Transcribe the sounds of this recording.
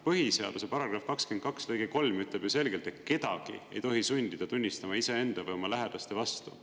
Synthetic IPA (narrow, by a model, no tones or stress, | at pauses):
pɤɦise̞ɑd̪̥use̞pɑɾɑɡ̥ɾrɑfkɑksken̚kɑkslɤjɡ̥eko̞lmyt̪ˑleb̥juse̞lɡelt̪e̞t̪̚ke̞d̪̥ɑ̰ɡ̥ḭejt̪o̞ɦisunʲd̪̥id̪ɑt̪unʲːist̪ɑmɑisee̞nd̪̥ɑvɯjomɑlæɦed̪̥ɑst̪e̞vɑst̪u